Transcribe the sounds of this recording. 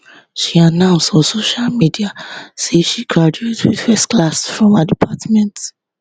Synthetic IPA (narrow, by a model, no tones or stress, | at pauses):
ʃianãʊ̃nstɔ̃soʃalmidiaseʃikʰad͡ʒetʰwḭð̥fɛstklasfɹɔ̃mədipʰatmɛ̃nt